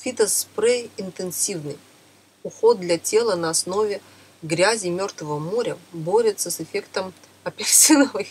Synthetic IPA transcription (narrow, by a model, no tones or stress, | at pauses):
fʲit̪əspɾejɪnt̪ɨnsʲivnɨj | ʊxo̞d̪̚d̪lʲatʲe̞lˠənəɐsno̞vʲɪ | ɡɾʲæzʲɪmʲo̞rt̪vəvəmo̞ɾʲəbo̞ɾʲɪt̪səsɨfʲekt̪əm | ɐpʲɪrsʲinəvɨx